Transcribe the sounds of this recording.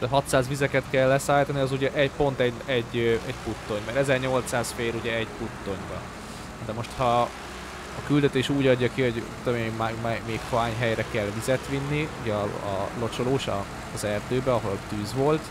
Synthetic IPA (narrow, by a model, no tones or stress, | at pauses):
ɦɒt̪saːzʋizɛkɛt̪kɛlːɛsaːjt̪ɒniɒzuɟɛʔɛpo̞nt̪ɛɛɟːɛɟput̪ːo̞ɲmɛɾɛzɛrɲo̞lt̪saːsfeːluɟɛɛɟput̪ːo̞ɲbɒ | d̪ɛmo̞ʃt̪hɒ | ɒkyld̪ɛt̪eːʃuːɟɒɟːɒkiho̞ɟt̪ːomiemaːɡmɛmeːkfaːɲɦɛjɾɛkɛlvizɛt̪ʋinːiuɟɛɒ̰ːlo̞t͡ʃoloːʃɒː | zɛrd̪øːbɛɒɦo̞lt̪yːzʋo̞lt̪